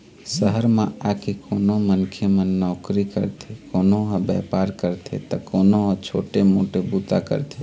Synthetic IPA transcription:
səɦəɾmẽakekoːnomənkʰjemə̃nːɔːkɾikə̰ɾt̪ʰekoːnoɦɔbɛpaɾkəɾt̪ʰḛt̪əkoːnoɦɔ̃t͡ʃʰoʈemoʈebut̪akə̰ɾt̪ʰe

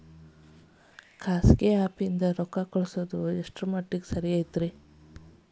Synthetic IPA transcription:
kaːsɡeaːpiind̪ɐɾɔkakɔɭsod̪ueʂʈɾumɐʈːiksɐɾiaːjt̪ɾi

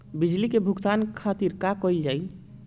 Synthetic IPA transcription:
bid͡ʒlikebʱuɡt̪ankʰat̪iɾkakɔjld͡ʒaj

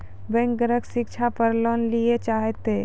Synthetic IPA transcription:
bɛ̃ŋk̚ɡəɾəksɪkt͡ʃʰapəɾlɔːnliet͡ʃaːɦet̪e

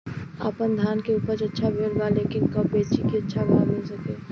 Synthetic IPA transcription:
a̰ːpənd̪ʱaːnkeuːpəɾt͡ʃɐtːʃʰabʱeːlɡaleːkɪnkɐpbeːt͡ʃikiɐtːʃʰabaɡosəkeː

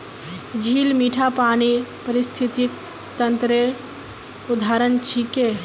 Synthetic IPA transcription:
d͡ʒʱiːlmiːʈʰapaːnipəɾist̪ʰit̪ik | t̪ənt̪ɾe | ʊd̪ʱaɾənt͡ʃʰike

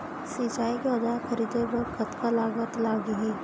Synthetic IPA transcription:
siːt͡ʃaːikeɐd͡ʒaːkʰɐɾiːd̪ebɐɾkət̪kalaːɡət̪laːɡiɦɛː

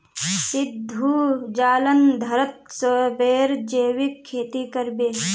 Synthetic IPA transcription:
sɪd̪ʱːud͡ʒaːlənd̪ʱɐɾət̪̚səbeːɾd͡ʒeːʋikʰːeːt̪ikəɾbeː

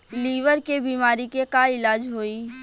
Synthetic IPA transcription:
liːʋəɾkebiːmaːɾikekaɪlaːd͡ʒɦoːiː

